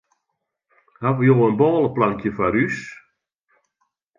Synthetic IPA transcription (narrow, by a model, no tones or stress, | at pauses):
haʋəjoːənbɔːlˠəplaŋkjəfarys